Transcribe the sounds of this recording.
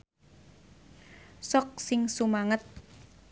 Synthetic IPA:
sɔk̚sɪŋsumaŋət̪̚

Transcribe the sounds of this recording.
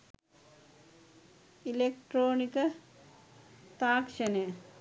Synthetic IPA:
ilek̚ʈɾoːnikə | t̪aːkʂɐne

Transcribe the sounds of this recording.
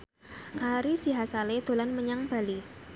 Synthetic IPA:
ʔaɾisiɦasaled̪̥o̤lanməɲaŋb̥a̤li

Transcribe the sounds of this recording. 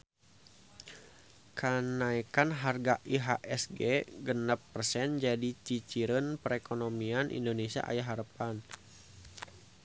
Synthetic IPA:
kənaikanɦarɡaʔiɦaʔɛsɡɛɡənapːərsɛnd͡ʒadit͡ʃit͡ʃiɾənpəɾɛkonomianʔḭndonesia̰ʔa̰jaɦaɾəpan

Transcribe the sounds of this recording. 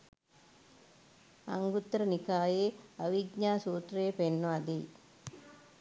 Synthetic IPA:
ɐ̰ŋɡut̪ːɾɐnikaːjeːɐʋiɡɲaːsuːt̪ɾɐjepenːad̪iː

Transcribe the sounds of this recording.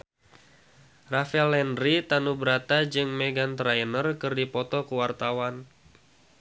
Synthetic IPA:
rafɛlːɛnɾit̪anubəɾat̪ad͡ʒɨŋmeɡant̪ɾajnərkɨrdipɔt̪ɔkəwart̪awan

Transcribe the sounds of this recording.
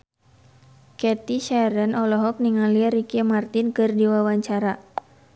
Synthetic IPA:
kɛt̪iʃaɾənɔlɔɦɔk̚niŋaliaɾikamart̪inkɨrdiwawaɲt͡ʃaɾa

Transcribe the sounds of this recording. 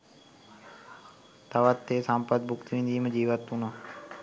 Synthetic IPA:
t̪aʋət̪ːeːsampəd̪̚bʱʊkt̪ʋĩːnd̪iːməd͡ʒiːʋət̪ːũːna

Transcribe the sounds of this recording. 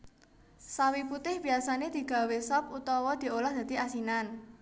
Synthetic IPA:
sawiput̪ɪhb̥i̤asaned̪̥i̤ɡ̥a̤wesɔp̚ut̪ɔwɔd̪̥i̤olɔhd̪̥ä̤d̪̥i̤ʔasinan

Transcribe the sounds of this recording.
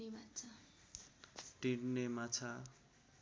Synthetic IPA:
ebat͡sʰʌ | ʈiɽnemat͡sʰa

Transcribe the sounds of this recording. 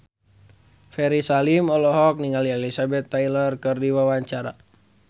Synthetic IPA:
fɛɾisalimɔlɔɦɔk̚niŋalielisabɛt̪ːailərkɨrdiwawaɲt͡ʃaɾa̰

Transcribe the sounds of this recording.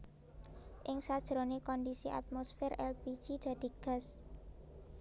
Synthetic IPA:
ʔɪŋsad̥ʒ̥ɾonekɔndisiʔa̰t̪̚mosfɪrɛ̰lbi̥d͡ʒid̪̥ä̤d̪̥i̤ɡ̥a̤s

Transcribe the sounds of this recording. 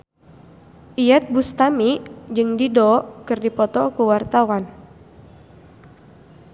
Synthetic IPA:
ʔijɛt̪̚bust̪amid͡ʒɨŋdidɔkɨrdipɔt̪ɔkuwart̪awan

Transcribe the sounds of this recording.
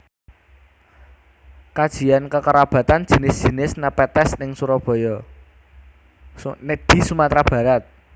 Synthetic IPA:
kad̥ʒ̥iankəkəɾab̥ä̤t̪an̥ʒ̥i̤nɪsd̥ʒ̥i̤nɪsnapɛt̪ɛsnɪŋsuɾɔb̥ɔ̤jɔ | ned̪̥i̤sumat̪ɾab̥a̤ɾat̪̚

